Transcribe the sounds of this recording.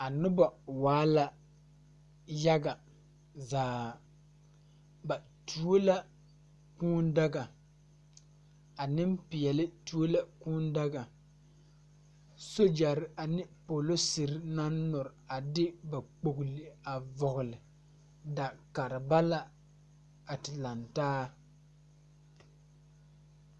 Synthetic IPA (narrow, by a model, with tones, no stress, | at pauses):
a˨nʊ˦ba˨waː˨˦la˦ | ja˦ɡa˨ | zaː˨ | ba˨ | tʰu˨o˦la˦ | kuː˦n˦da˦ɡa˨ | a˨nɪ˦mpɪ˨jɛ˨lɪ˦tu˦o˦la˨kuː˦n˦da˦ɡa˨ | so˦d͡ʒa˨ɾɪ˨a˨nɪ˦po˨lo˦sɪ˨ɾɪ˦na˦nːɔ˨ɾa˨dɪ˦ba˨k͡po˨ɡlɪ˨a˨vɔ˨ɣʊ˨lɪ˨ | da˨ka˨ɾɪ˨ba˦la˦ | a˨tɪ˨la˨ntaː˦